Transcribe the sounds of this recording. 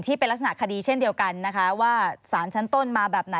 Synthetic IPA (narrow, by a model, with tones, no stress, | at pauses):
ŋt̪ʰiː˥˩pe˧nla˦˥k̚sa˧na˨˩kʰa˧diː˧t͡ɕʰe˥˩ndi˧əwka˧nːa˦˥kʰa˦˥waː˥˩saː˩˦nt͡ɕʰa˦˥nt̪o˥˩nmaː˧bɛː˨˩p̚na˩˦